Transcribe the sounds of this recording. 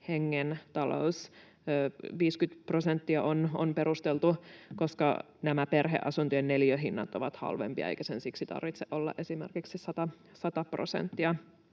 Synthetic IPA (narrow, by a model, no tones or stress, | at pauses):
heŋːent̪ɑlo̰usː | ʋiːskyt̪prosent̪ːiɑʔono̰npeɾust̪elt̪ukoskɑ̰ | næmæperɦḛʔɑsunt̪yenneljøɦinːɑt̪oʋɑt̪hɑ̰lʋḛmpiɑ̰ḛikæsensiksit̪ɑ̰rʋit̪seʔolːɑ̰ʔesimḛrkiksisɑt̪ɑ | sɑt̪ɑprosḛnt̪ːiɑ